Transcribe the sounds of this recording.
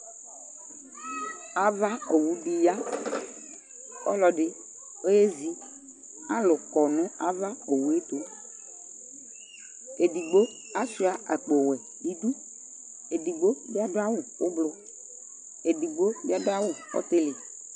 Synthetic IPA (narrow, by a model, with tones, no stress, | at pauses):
a˨va˦o˨wu˦ɖi˨ja˦ | ɔ̰˦lɔ˨ɖɪ˦ | o˦je˦zi˨ | a˦lʊ˨kɔ˨nʊ̃˦a˦va˦o˨wu˦e˦t̪o˨˦ | e˨di˨ɡ͡bo˦ | a˦si˦a˨ʔa˨k͡po˨wɛ˨ | ji˦d̪u˦ | e˨di˨ɡ͡bo˦bi˦a˦ɖo˦a˦wu˦wo˦blʊ˦ | e˨di˨ɡ͡bo˦bi˦a˦do˦a˦wu˨ɔ̰˦t̪e˦lɪ˨